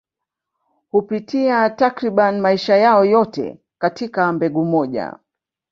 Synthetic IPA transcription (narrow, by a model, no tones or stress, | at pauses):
hupitiatakɾiɓanmaiʃajaɔjɔtɛ̰ | katikambɛɠumɔʄa̰